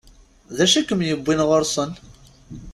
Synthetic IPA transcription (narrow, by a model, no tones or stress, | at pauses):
ðæʃækəmjəbʷːinʁʊɾsˤən